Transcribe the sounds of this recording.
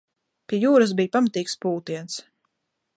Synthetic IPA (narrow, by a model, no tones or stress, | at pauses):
pʲiɛjuːɾas̬bijpamat̪iːkspuːt̪iɛns